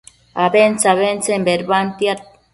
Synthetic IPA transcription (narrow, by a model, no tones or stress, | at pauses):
aβent͡saβent͡sembeɾβant̪ia